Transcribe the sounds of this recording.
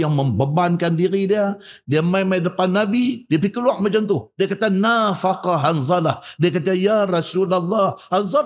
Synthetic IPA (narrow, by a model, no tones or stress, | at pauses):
jaŋməmbəbankandiɾidiadiamajmajdəpanːabidiapikəluaʔmat͡ʃamt̪uhdiakat̪anafaqɑɦanzˤɑlahdiakat̪ajaɾɑsulalˤːɑhhanzɑ